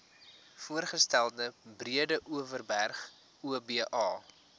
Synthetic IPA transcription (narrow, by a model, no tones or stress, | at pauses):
fuərχəstælˠdəbriədəʔuəvərbærχ | uəbeəʔɑː